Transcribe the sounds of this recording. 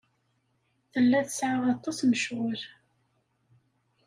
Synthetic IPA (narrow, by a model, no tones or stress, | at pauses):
θəlːæðəsʕaʁɑt̪ˤːɑsnəʃʁəɾ